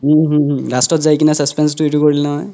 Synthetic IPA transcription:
ɦuɦɹastɔtzajkinɛsaspɛnstuetukoɹilnɔɦɔj

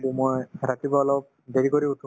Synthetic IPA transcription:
dumojɾatibɔɔlɔp̚ | deɹikoɹiutʰu

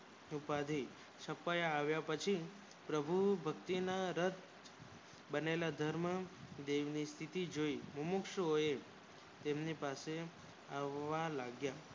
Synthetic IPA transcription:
upad̪ʱi | ʃəpajaːʋjapət͡ʃʰi | pɾəbʱubʱəkt̪inaɾət̪ | bənelad̪ʱəɾməd̪eʋnist̪ʰit̪id͡ʒoiməmʊkʃəɦoje | t̪emnipase | aʋːalaɡja

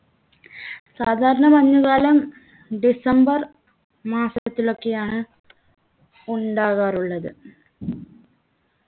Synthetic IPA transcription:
saːd̪ʱaːɾɐɳɐmɐɲːuɣaːlɐm | ɖisɐmbɐr | maːsɐtɐt̪ːilo̞kːe̞jaːɳɨ | uɳɖaːɣaːruɭːɐðɨ̰

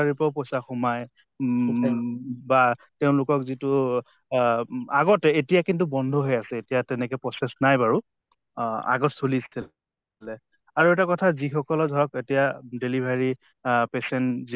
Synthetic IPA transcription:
aɹipɔposaxɔmaj | bateʊ̃lʊkɔkzitʊ | aɡɔtɛetijakintubɔndʱɔɦojasɛetijatɛnɛkɛpɹɔsɛsnajbaɹu | a̰ɡɔtsolistʰi | lɛ | aɹuɛtakɔtʰazixɔkɔlɔdʱɔɹɔketijadelibʱaɹi | pesɛnzi

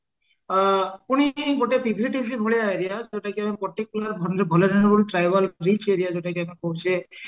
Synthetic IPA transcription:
puɽ̃iɡoʈepʰiɡʱɾiʈibʱibʱɔɭeaeɾijad͡ʒeʈakiamipɔʈ̪ikːulaɾbʱɔnd̪ɾebʱɔleɾɔñuboliʈɾajbalɾit͡ʃʰeɾijad͡ʒeʈakiamikɔɦut͡ʃʰe

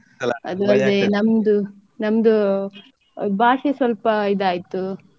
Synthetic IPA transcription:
ɐd̪uɐld̪enɐmd̪u | nɐmd̪u | bʱaːʂesʋɐlpɐid̪aːjit̪ːu

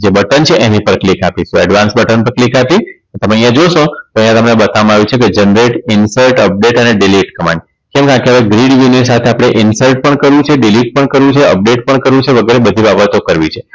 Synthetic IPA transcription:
d͡ʒebəʈənt͡ʃʰeʔenĩpəɾklikapisũɛɖʋansbəʈənpəɾklikapinet̪əmeəjãd͡ʒoʃõt̪oəjãt̪əmnebət̪ʰamaʋit͡ʃʰeked͡ʒənɾeʈɪnsəlʈəp̚ɖeʈəneɖiliʈkəmã̰n | kɛ̃mkeãkeɦaʋeɡɾiɽjuniɾs̬at̪ʰeapɽ̃eʔɪnsəlʈ̚pəɳkəɾʋũt͡ʃʰeɖiliʈ̚pəɳkəɾʋũt͡ʃʰeə̰p̚ɖeʈ̚pəɳkəɾʋũt͡ʃʰeʋəɡʱəɾebəd̪ʱibabət̪okəɾʋit͡ʃʰe

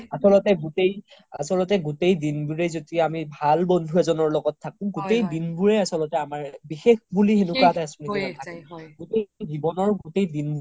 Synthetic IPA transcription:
asɔlɔtɛɡutej | a̰sɔlɔtɛɡutejdinbuɹezodiamibʱalbɔndʱuɛzɔnɔɹlɔɡɔtʰːakũɡutejdinbuɹɛasɔlɔtɛamaɹbixexbuliɦenupatajasunikinatʰakĩɡutejzibɔnɔɹɡutejdinb

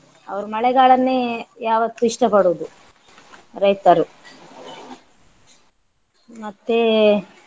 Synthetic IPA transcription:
ɐ̰ʋɐɾumɐɭɛɡaːɭɐnːejaːʋɐt̪ːuiʂʈɐpɐɽuːd̪u | ɾɐjt̪ɐɾu | mɐt̪ːe

